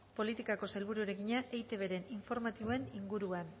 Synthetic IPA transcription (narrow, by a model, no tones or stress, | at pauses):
po̞lit̪ikako̞sajlβuɾuɾe̞kiɲaʔejt̪e̞βe̞ɾe̞niɱfo̞ɾmat̪iβoe̞niŋɡuɾuan